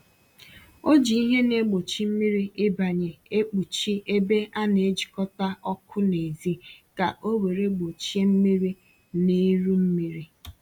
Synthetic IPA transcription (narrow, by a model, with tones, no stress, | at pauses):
o˦d͡ʒi˨˦i˦ɦe˦ne˦ɡ͡bo˨t͡ʃi˦m̩˦mi˦ɾi˦ɪ˦ba˨ɲe˨e˦k͡pu˨t͡ʃi˦ʔe˦be˦ʔa˦ne˨e˦d͡ʒi̥˨kɔ˦ta˦ɔ˦kʰʊ˦ne˨zi˦ka˨ʔo˦we˨ɾe˦ɡ͡bo˨t͡ʃi˦e˦m̩˦mi˦ɾi˦ | ne˦ɾu˦m̩˦mi˦ɾi˦